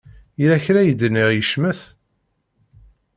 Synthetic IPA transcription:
ilæçɾæjəd̪nɪʁjəʃməθ

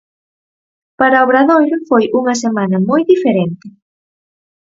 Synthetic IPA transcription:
paɾaoβɾaðojɾʊfojuŋɐsemanɐmojðifeɾent̪ɪ

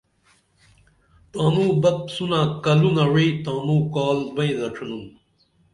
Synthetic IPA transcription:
t̪aːnũːbɐt̪̚sunãkɐlunɐwit̪aːnuːkaːlbɐĩzɐʈ͡ʂʰɐnun

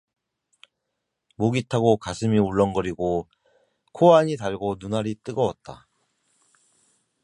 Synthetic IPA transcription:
moɡitʰaɡokasʰɯmiuɭːʌŋɡʌɾiɡo | kʰoaɲitaɭɡonunaɾit͈ɯɡʌwʌt̚t͈a

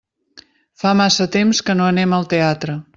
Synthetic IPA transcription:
famasət̪emskənoəneməlˠt̪eat̪ɾə

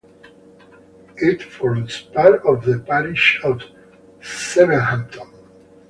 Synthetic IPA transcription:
ɪtfɔɹmz̥paɾɔvðəpæɾɪʃɔv̥ | sɛvə̃nhæ̃mp̚tʰə̃n

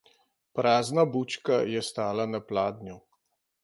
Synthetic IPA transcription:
pɾaːznabuːt͡ʃkajɛst̪aːlanaplaːd̪nju

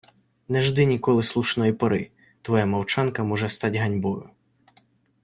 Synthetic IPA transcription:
nɛʒd̪ɪnʲikɔlˠɪslˠuʃnɔjpɐɾɪ̰ | t̪ʋɔjamɐwt͡ʃɑnkɐmɔʒɛst̪ɑtʲɦɐnʲbɔjʊ̰

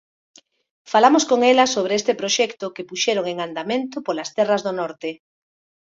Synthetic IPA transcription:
falamoskoŋɛlɐsoβ̞ɾeest̪epɾoʃɛkt̪ʊkepuʃɛɾoŋeŋand̪amẽnt̪ʊpolast̪ɛrɐzðonɔɾt̪e

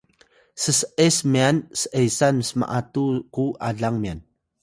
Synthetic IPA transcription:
səsəʔesmiansəʔejsanməsəma̰ʔatukuʔaɮaŋmian

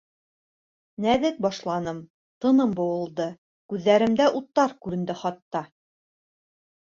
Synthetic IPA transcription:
næðɘk̚bɑʃlˠɑnɤm | t̪ɤ̆nɤmbŏwɤ̆lˠd̪ɤ | kʉðːæɾɘ̆md̪æʔut̪ːɑɾkʉɾɘ̆nd̪ɘχɑt̪ːɑ

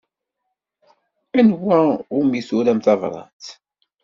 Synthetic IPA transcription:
ænwæʊɾmisuɾæmθɑvɾˤɑ̰t͡s̪

